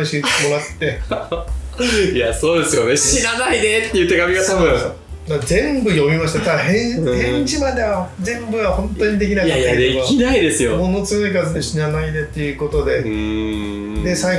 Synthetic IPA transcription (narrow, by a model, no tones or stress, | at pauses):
ɕimoɾat̪ːe̞ | ijaso̞ːd̪e̞sɨjoneɕinanaid̪et̪ːejɯ̟t̪eɡamʲiɡat̪aβɯ̃ | d̪azẽ̞mbɯ̟jo̞mʲimaɕi̥t̪at̪ahẽhẽɲd͡ʑimad̪e̞jazẽ̞mbɯ̟βahõ̞nt̪o̞ɲ̟id̪e̞kʲinakaaed̪ekainaid̪e̞sɨjomo̞no̞t͡sɨɯikazɨd̪e̞ɕinanaid̪e̞t̪ːe̞jɯ̟ːko̞t̪o̞d̪e̞ | d̪e̞sai